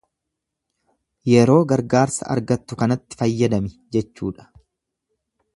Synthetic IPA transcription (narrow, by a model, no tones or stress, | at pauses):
jɛɾo̞ːɡɐɾɡaːɾsɐ̰ʔɐ̰ɾɡɐt̪ːʊkɐnɐt̪ːɪ̥fɐjːɐd̪ɐmɪ | d͡ʒɛt͡ʃːuːᶑɐ̥